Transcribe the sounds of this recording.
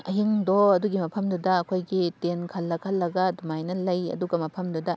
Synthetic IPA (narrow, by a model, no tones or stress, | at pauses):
ɐɦiŋdoɐduɡimɐpʰɐmdudɐɐkʰojɡitenkʰɐlːɐkʰɐlːɐɡɐdumajnɐlɐjɐ̰duɡɐmɐpʰɐmdudɐ